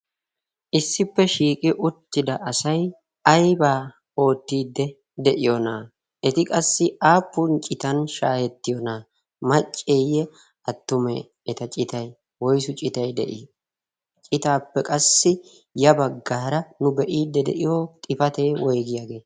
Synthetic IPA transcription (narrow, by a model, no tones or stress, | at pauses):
ʔɪsːɪpːɛʃiːkʼɪʔʊt̪ːɪd̪ɐʔɐsɐj | ɐjbaː | o̞ːt̪ːiːd̪ːɛ | d̪ɛʔɪjɔnaː | ʔɛt̪ɪkʼɐsːɪʔaːpːʊnt͡ʃʼɪt̪ɐnʃaːhɛt̪ːɪjɔnaː | mɐt͡ʃʼːeːjɛ | ɐt̪ːʊmɛ̰ː | t̪ɐt͡ʃʼɪt̪ɐj | wɔjsʊt͡ʃʼɪt̪ɐjd̪ɛ̰ʔɪ | t͡ʃʼɪt̪aːpːɛkʼɐsːɪ | jɐbɐɡːaːɾɐnʊbɛʔiːd̪ːɛd̪ɛ̰ʔɪjot̪ʼɪfɐt̪eːwɔjɡɪjaːɡe̞ː